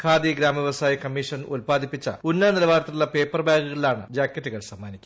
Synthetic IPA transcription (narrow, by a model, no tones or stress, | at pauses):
kʰaːd̪iɡɾaːmɐʋjeʋɐsaːjɐkɐmːiʂɐnulpaːd̪ʱipːit͡ɕːɐ̰unːɐnilɐʋaːɾɐt̪ːiuɭːɐpe̞ːpːɐrbaːɡuɣɐɭilaːɳɨd͡ʑaːkːɐtːuɣɐɭsɐmːaːnikʲːuɐ